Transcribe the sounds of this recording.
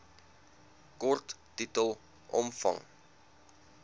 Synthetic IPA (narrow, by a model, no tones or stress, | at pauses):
kɔrtːitəlˠ | ʔɔ̰mfɐ̰ŋ